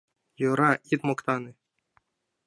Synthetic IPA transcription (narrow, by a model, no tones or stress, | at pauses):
juɾɑit̪mɤ̆kt̪ɑnɤ̆